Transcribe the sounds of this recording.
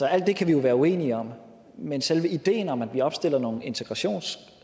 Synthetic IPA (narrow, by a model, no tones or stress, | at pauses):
sɒ̽æl̰d̥ːe̝kʰæʋijo̝ʋæːɐue̝̰ːniəɒ̽m̰ | menselʋəid̥e̝̰ːnɒ̽mæd̥ʋiɒ̽b̥sd̥e̝l̰ɐno̝ːn̩e̝nt͡sʰeɡ̥ʁɑ̈ɕo̝̰ːns